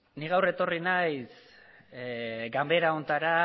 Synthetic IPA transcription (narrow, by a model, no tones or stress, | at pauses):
niɣawre̞t̪o̞rinajs | ɡambe̞ɾao̞nt̪aɾa